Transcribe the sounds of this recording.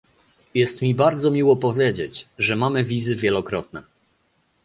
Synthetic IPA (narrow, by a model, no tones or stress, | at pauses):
jɛst̪mʲibaɾd̪zɔmʲiwɔpɔvʲjed͡ʑet͡ɕʐɛmamɘvʲizɘvʲjɛlɔkɾɔt̪̚nɛ